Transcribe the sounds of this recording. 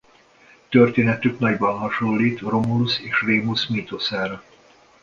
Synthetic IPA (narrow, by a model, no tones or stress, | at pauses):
t̪ørt̪eːnɛt̪yknɒɟbɒnɦɒʃolːiːt̪romuluseːʃreːmusmit̪osaːɾɒ